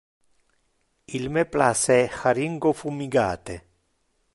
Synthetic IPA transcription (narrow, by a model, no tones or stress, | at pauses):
ilmeplasɛxaɾiŋɡofumiɡaːt̪e